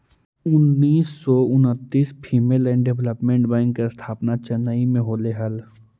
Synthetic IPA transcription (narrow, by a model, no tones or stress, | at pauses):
ʊnːiːsːɔːʊnət̪ːiːspʰiːmeːlɛ̃ːɳɖeʋləpmẽɳʈbãŋɡkest̪ʰaːpnat͡ʃɐnaimẽɦoːleɦəl